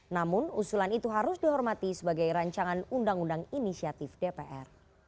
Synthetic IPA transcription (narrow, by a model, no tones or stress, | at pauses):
namʊnusulanit̪uɦaɾʊsdiɦɔrmat̪isəbaɡajɾaɲt͡ʃaŋanundaŋundaŋinisiat̪ɪfdepeʔɛ̰r